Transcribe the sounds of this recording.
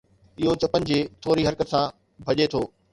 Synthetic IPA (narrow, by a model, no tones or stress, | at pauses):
ɪɦot͡ɕɐpənɪ̆d͡ʑeːt̪ʰoːɾiɦɐɾkət̪sã | bʱɐʄet̪ʰoː